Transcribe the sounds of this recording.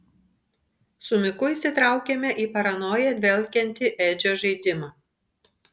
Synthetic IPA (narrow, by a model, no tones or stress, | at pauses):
sʊmʲɪkʊisʲɪt̪ɾɑˑʊkʲemʲɛʔiːpɐɾɐnoːjɛd̪ʲʋʲɛlʲˑkʲɛnʲt̪ʲɪʔɛd͡ʒʲoːʒɐɪd̪ʲɪmɑː